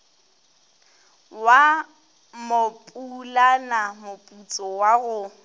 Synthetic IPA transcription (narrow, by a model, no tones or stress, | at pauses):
wa | mopʼulanamʊpʼut͡sʼɔwaɣʊ